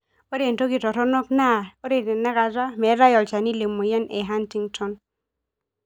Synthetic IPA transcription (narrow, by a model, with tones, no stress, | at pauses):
o˦ɾe˨nto˦kɪ˨tɔ˨ɾɔ˦nɔ˦kna˦˨o˦ɾe˨tɛ˨nɛ˦ka˨d͡ʒa˦mɛ˨˦ɾa˦jɔ˨lt͡ʃa˨ni˦le˨mːo˨jɛ˦nʔɛ˨ɦa˦nti˦ŋtʰɔ˦n